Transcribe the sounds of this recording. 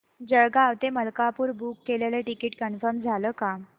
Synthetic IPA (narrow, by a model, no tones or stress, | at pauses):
d͡ʑəɭɡaːʋt̪eməlkapuːɾbukːeleleʈikiʈkənfəɾmd͡zʱaləːka